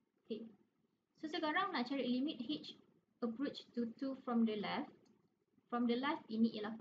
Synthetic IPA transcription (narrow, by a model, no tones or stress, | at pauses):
okʰe | sosəɡɔɹãŋnãt͡ʃaɹilimit̚hit͡ʃ | əpɹot͡ʃtutufɹɔ̃mdəlɛft | fɹɔ̃mdəlɛftiniʔilaf